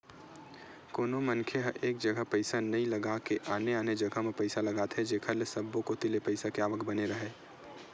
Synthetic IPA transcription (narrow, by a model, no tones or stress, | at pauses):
koːnomɐnkʰeɦɐʔeːk̚d͡ʒɐɡəpɐɪsanɐɦĩlɐɡakeʔaːneaːned͡ʒɐɡʱəɦmẽpɐɪsalɐɡaːt̪ʰɦɛd͡ʒeːkʰəlsɐbõkot̪ɪlepɐɪsakeaːʋəkbɐneɾɐɦeː